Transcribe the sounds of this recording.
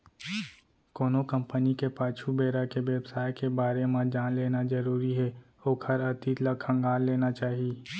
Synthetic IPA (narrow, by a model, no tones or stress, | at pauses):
koːnokɐ̃mpənikepaːt͡ʃʰubeːɾakeʋeːbsaːjkebaːɾemãd͡ʒaːnleːnazɐɾuːɾiɦɛ | oːkʰhɐɾɐt̪it̪ləkʰɐ̃ŋɡaːlleːnat͡ʃaːɦieː